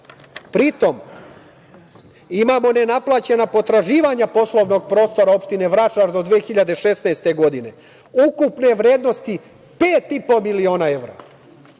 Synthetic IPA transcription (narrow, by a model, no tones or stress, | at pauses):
pɾit̪o̞m | imamo̞nenaplˠaːt͡ɕe̞napo̞t̪ɾaʒiːʋaɲapo̞slo̞ʋno̞ɡ̚pɾo̞ːst̪o̞ɾao̞pʃt̪ine̞ʋɾat͡ʃaʒd̪o̞d̪ʋeexiʎad̪e̞ʃe̞snaest̪e̞ɡo̞d̪ine | ukupne̞ʋɾeːd̪no̞st̪i | pe̞ːt̪ipo̞milio̞ːnae̞ʋɾa̰